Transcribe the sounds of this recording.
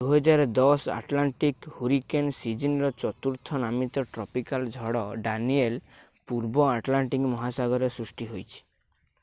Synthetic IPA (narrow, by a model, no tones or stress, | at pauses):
uɦɔd͡ʒaɾɔd̪ɔsa̰ʈlaɳʈikhuɾikensid͡ʒinɾɔt͡ʃɔt̪uɾt̪ʰɔnamit̪ɔʈɾɔpikald͡ʒʱɔɽɔɖaniel | puɾbɔaʈlaɳʈikmɔɦasaɡɔɾɔsɾusʈiɦojt͡ʃʰi̥